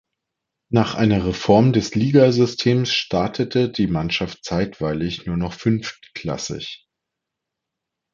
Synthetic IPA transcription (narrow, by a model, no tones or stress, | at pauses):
naːχʔaɪnɐʁefɔɐmdɛsliːɡazʏstʰeːmsʃtʰaɐtʰətʰədiːmanʃaft̚t͡saɪtv̥aɪlɪçnuːɐnɔχfʏnftkʰl̥a̰sɪ̰ç